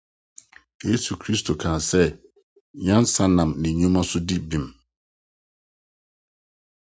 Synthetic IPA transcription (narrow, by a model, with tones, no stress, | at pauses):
je˦su˨kʰɾi˦stʰo˨kʰãː˨sɛ˦ | ɲã˦n˦sa˦nã˨mnɪ̃˨ɲũ˦mã˦sʊ˦di˦bĩ˨m